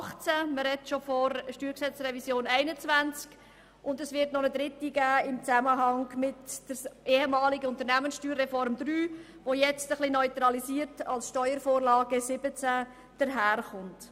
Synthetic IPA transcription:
χt͡sæməɾɛtʃofɔɾʃtyːɾksɛt͡srɛvisjoːnɛɪnət͡svænt͡sk | ʊndəsʋɪɾtnɔnəd̥̪ɾɪtiɡ̥æːɪmt͡sæməɦɑŋmɪtd̥əɾeːhəmɑːlɪɡəʊnt̪əɾnæmənsʃtyːɾːɛfɔɾmd̪ɾyː | ʋojɛt͡stəχlinœʏt̪ɾɑlisiːəɾtɑlsʃtœʏəɾfoːɾlɑːɡəsɪbət͡sæ | d̥əɾɦæːɾχʊnt

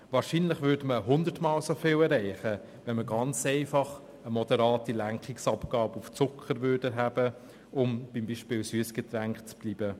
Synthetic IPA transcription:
ʋɑːɾʃinlɪχvʏɾdməɦʊndətmɑːlsofɪːlɛɾɛɪχə | ʋɛnməɡɑnt͡sɛɪfɑχ | əmɔd̥əɾɑːtilæŋkχɪksɑpɡ̥ɑːbəuft͡sʊkχəɾvʏɾdəɦæːbə | ʊmb̥imbiːʃpɪːlsyəsɡ̥ɛt̪ɾæŋkt͡sb̥liːbə

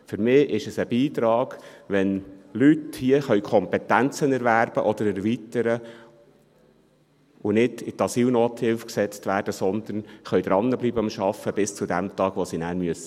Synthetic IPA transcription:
fʏɾmɪːʔɪʃəsəb̥iːt̪ɾɑːɡ̥ʋɛnlythiəχœʏkʰɔmpɛt̪ænt͡sənɛɾʋæːɾb̥əʔɔd̪əɾɛɾʋit̪əɾə | ʊnɪdɪt̪ɑsiːlnoːt̪hɪlfksɛt͡stʋæːɾd̥əsɔnd̪ənχœjd̪ɾɑnːəbliːbəɑmʃɑfːəb̥ɪst͡sud̪æmt̪ɑːɡ̥ʋosinæːɾmyəsə

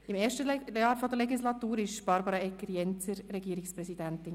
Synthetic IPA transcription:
ɪmɛːɾʃtəjɑːɾfɔd̥̪əlɛɡislɑt̪uːɾɪʃb̥ɑɾbɑɾɑɛkːəɾjɛnt͡səɾɾɛɡiːəɾɪkspɾɛsid̥ænt̪ɪn

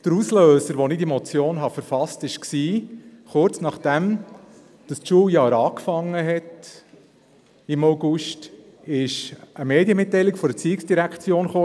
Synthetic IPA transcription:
d̥əɾusløːsəɾʋonidimɔt͡sjoːnɦɑfəɾfɑstɪʃksiːχʊɾt͡snɑχd̥æm | d̥ɑsʃuːjɑːɾɑːkfɑŋːəɦɛt | ɪmoʊɡʊʃt | ɪʃəmeːdiəmɪtːɛɪlɪkfɔɾdət͡siːksd̥iɾækχt͡sjoːnχoː

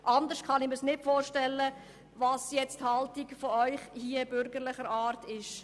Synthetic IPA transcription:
ʔɑnd̪əɾʃtkχɑnɪməsnɪtfoːɾʃtɛlːə | vɑːsjɛt͡sthɑltiɡfɔœʏχhiːəb̥ʏɾɡəɾlɪχəɾɑːɾtɪʃ

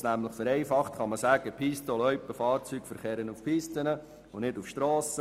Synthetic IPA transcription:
snæmləχfəɾɛɪfɑχtχɑməsæːɡ̥əpʰiːstɔlœʏpːəfɑːɾt͡syːɡ̥fəɾχɛːɾənufpʰiːstənə | ʊnɪdufʃtɾɔːsə

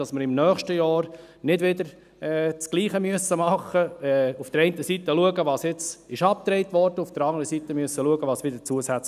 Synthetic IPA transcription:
ɑsməɾɪmnœːχʃtəjɑːɾ | nɪdʋɪd̪əɾ | ɛt͡sɡ̥liːχəmyəsːəmɑχːəɛufd̥̪əɾɛɪntəsit̪əluəɡəʋɑːsjɪt͡sɪʃɑp̚t̪ɾɛɪtʋɔɾd̥əufd̥əɾɑŋdəɾəsit̪əmyəsːəluəɡəʋɑːsʋɪd̥əɾt͡suəsæt͡s

